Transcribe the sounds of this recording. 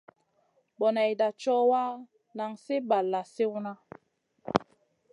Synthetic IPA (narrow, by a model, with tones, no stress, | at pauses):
bɔ˨na˨jda˨t͡ʃɔ˦wa˦ | na˨ŋse˦ba˨lːa˨se˦wu˦na˦